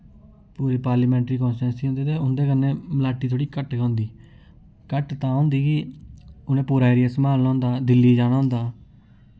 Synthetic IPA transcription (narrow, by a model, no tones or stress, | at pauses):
puːɾeːpaːɾləːmɛ̃ːɳʈɾiːkɔ̃ːnsɾɛ̃ːnsiːõːnd̪eːt̪eːʊnd̪eːkənːẽːməlaːʈːiːt̪ʰoːɽiːkəʈɡãːʊ̃nd̪iː | kəʈt̪ãːõːnd̪iːkɪʊnẽːpuːɾaːeːɾijasəmaːlnãːnd̪aːd̪ɪlːiːd͡ʒaːɽ̃aːɦʊ̃nd̪aː